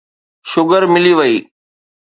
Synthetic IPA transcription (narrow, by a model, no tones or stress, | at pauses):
ʃʊɡəɾmɪliʋəiː